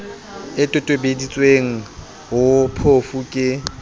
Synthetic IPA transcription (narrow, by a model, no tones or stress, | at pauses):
ɪtʼʊtʼobedit͡sʼweŋ̩ | ɦʊpʰofukʼɪ